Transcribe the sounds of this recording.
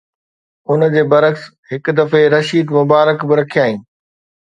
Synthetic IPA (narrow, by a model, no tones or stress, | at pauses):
ʊn̆d͡ʑeːbɐɾəks | ɦɪk̆d̪ɐfeɾɐʃiːd̪mʊbaːɾəkbɪɾɐkʰijaːɦĩː